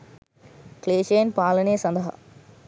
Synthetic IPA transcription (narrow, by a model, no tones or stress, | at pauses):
kleːʃeːnpaːlɐneːsɐnd̪ɐɦɐ̰